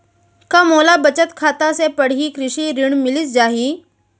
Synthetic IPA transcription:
kamoːlabət͡ɕət̪kʰaːt̪asepəɽ̤iːkɾɪɕiɾiɳ̃mɪlisd͡ʒaːɦi

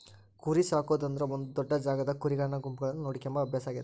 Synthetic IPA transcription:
kuːɾisaːkoːd̪ɐnd̪ɐɾɐond̪ud̪ɔɖːɐd͡ʒaːɡɐd̪ɐkuɾiɡɐɭɐɳɐɡumpuɡɐɭɐnːunoːɽikɐmbɐɐbʱjaːsaːɡid̪

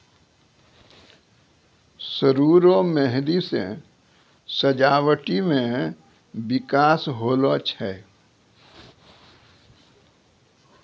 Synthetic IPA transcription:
səɾuːɾomɛɦɾisḛ̃ | səd͡ʒaːwəʈimẽ | bɪkaːsɦoːlot͡ʃʰɛ

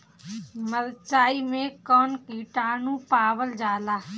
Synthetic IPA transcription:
məɾt͡ʃaːiːmẽkənkiːʈaːnũːpaːʋəld͡ʒaːlaː

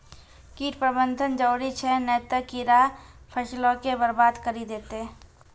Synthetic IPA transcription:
kiːʈpɾəbənd̪ʱənd͡ʒəːɽit͡ʃʰɛnɛːt̪əkiɾa | pʰəʃlõkebəɾbaːd̪kəɾid̪eːt̪e

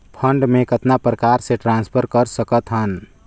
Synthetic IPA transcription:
pʰəɳɖmekət̪napɾəkaɾseʈɾãnspʰəɾkəɾsəkət̪ɦən

